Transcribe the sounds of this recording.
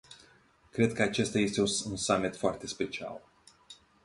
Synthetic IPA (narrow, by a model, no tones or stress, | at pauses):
kɾe̞d̪̚kəat͡ʃe̞st̪aje̞st̪e̞uunsamit̪foart̪e̞spe̞t͡ʃia̰l